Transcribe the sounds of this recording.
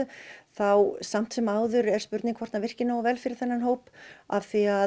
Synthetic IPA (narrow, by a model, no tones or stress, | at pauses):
ʏθawsam̥t̪sɛmaːwðʏɾɛɾ̥spʏɾt̪nɪŋkʰvɔ̥t̪navɪr̥cɪnaɔvɛlfɪɾɪɾ̥θɛnːanɦoːwpavθia